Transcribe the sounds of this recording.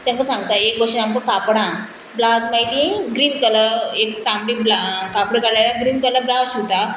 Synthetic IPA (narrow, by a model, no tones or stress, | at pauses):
t̪jãŋkasãŋɡt̪aek̚bəɕiamkəkapɽã | blad͡zmaɦit̪ĩɡɾiːnkələekt̪ambɽiblakapɽəkalalaɡɾiːnkələblawsut̪a